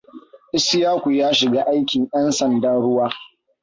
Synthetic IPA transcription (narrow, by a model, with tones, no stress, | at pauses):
ʔɪ˦sɪ˦jaː˦kʷu˨jaː˦ʃɪ˨ɡaː˦ʔa˦jkʲɪ˨ŋjɐ˦nsɐ˨ndaː˦ɽʊ˦waː˦